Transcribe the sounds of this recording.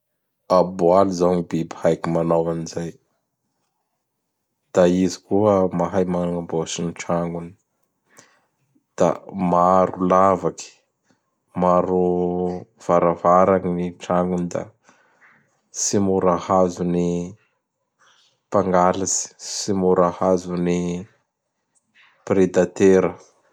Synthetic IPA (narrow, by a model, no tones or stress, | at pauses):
abualuzaŋibibihajkimanowanizaj | d̪̥aizikuəmaɦajmanaŋamboasiniʈ͡ʂaŋɡuni̥ | d̪̥a̰maɾulavaki̥ | maɾu | v̥aɾavaɾaŋiniʈ͡ʂaŋɡunid̪a̰ | simuɾahazuni | paŋɡalasi̥simuɾahazuni | pred̪at̪eɾə